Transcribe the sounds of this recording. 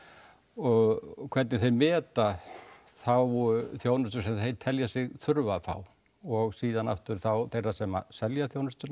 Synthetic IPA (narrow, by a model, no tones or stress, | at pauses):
ɔɣkʰvɛɾt̪nɪθejmɛːt̪a | θawvɔɾʏθjownʏst̪ʏ̥sɛmθejt̪ʰɛljasɪɣθʏɾvafa̰w | ɔɣsiːðana̰ft̪ʏɾ̥θawθejrːasɛma̰sɛljaθjoːwnʏst̪ʏna